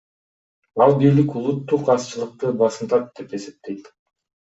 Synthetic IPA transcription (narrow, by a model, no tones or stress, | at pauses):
ɑlˠbijlikulˠut̪ːuqɑst͡ʃɯlˠɯq̚t̪ɯbɑsɯnt̪ɑt̪̚d̪̥e̞pe̞se̞p̚t̪e̞jt̪